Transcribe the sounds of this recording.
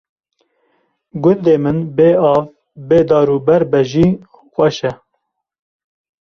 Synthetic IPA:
ɡʊnd̪eːmɨnbeːɑːv | beːd̪ɑːɾuːbɛɾbɛʒiː | xʷɛʃɛ

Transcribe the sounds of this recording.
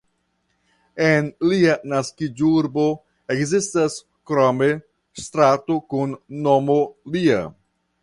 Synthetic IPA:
enlianaskid͡ʒuɾbo̞ | ekzistas | kɾome | st̪ɾatokunːomolia̰

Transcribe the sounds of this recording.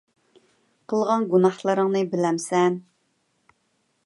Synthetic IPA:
qʰəlˠʁɑnɡunɑχlˠəɾəŋnɨbɪlɛmsɛn

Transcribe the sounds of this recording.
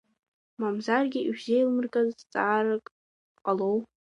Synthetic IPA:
mamzarɡʲɪɥzejlmɨrkʼazt͡sʼaːrɨkʼ | qʼalow

